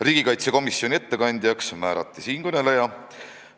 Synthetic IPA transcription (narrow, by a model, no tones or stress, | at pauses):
riːɡ̥ikɑjt̪seko̞misjo̞nʲie̞t̪ːe̞kɑnʲd̪̥ʲjɑksmæːɾɑ̰t̪ːˑisiːnkønelejɑ